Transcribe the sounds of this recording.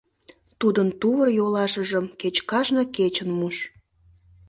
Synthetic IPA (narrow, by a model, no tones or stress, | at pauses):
t̪ud̪ənt̪uβərjolɑʃəʒəmket͡ɕkɑʒnəket͡ɕənmuʃ